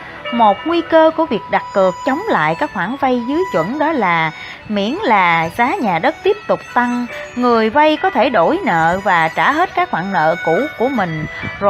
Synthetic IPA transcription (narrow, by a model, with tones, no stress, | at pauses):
mo˨˩t̚ŋwi˧kəː˧ku˧˩əvi˨˩ək̚ɗa˨˩t̚kɨ˨˩ək̚t͡ɕə˨˦wŋ͡mla̰ː˧˨jkaː˦˥k̚hwaː˧˩nva˧jzɨ˨˦jt͡ɕwə̰˧˥nɗɔ˨˦laː˨˩ | mḭ˧˥ənlaː˨˩zaː˨˦ɲaː˨˩ɗə˦˥t̚t̪i˦˥əp̚t̪ʊ˨˩k͡p̚t̪a˧ŋŋɨ˨˩əjva˧jkɔ˨˦t̪ʰe˧˩ɗo˧˩jnə̰ː˧˨vaː˨˩t͡ɕaː˧˩ɦe˦˥t̚kaː˦˥k̚hwa̰ː˧˨nnə̰ː˧˨ku˧˥ku˧˩əmï˨˩ŋ̟z